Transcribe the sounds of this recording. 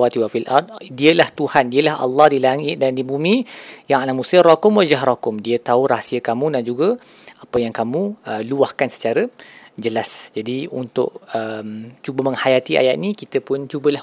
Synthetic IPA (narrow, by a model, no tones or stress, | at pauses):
at̪iwafilʔɑ̰rt̪̚diəlaht̪uhandiəlaɦɑ̰lːɑhdilaŋɪt̪̚dandibumĩjaŋalamusərɔkʊmwad͡ʒaɦrɔkʊmdiət̪auɾasiəkamũdand͡ʒuɡə | apəjaŋkamũəluahkansə̥t͡ʃaɾəd͡ʒəlasd͡ʒadiṵnt̪ʊ̰ʔ̚əmt͡ʃubəmə̃ŋhajat̪iʔa̰ja̰ʔnĩkit̪əpʊnt͡ʃubəlah